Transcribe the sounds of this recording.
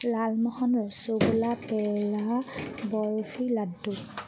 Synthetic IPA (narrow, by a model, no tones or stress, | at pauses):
lalmɔhɔnɹɔsobulapɛlabɔɹofʰiladːu